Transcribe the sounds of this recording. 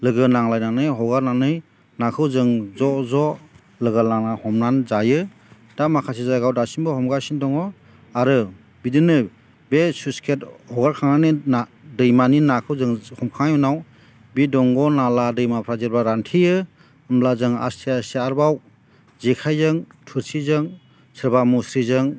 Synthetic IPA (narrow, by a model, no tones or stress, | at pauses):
lɯɡɯnaŋlajnanɯjɦɔɡaɾnanɯj | nakʰɯwzɯŋzɔzɔ | lɯɡalaŋnahɔmnanzajɯ | d̥amakʰasizaɡawdasinbɔhɔmɡasindɔŋɔ | aɾɯ | bidɯnɯ | besuskʰethɔɡaɾkʰaŋnanina | dɯjmaninakʰɯwzɯŋhɔmkʰaŋjunaw | bidɔŋɡɔnaladɯjmapʰɾazeɾbaɾantʰijɯ | amlazɯŋa̰stʰiasiaɾbaw | zekʰajzɯŋtʰɯɾsizɯŋ | sɯɾbamusɾizɯŋ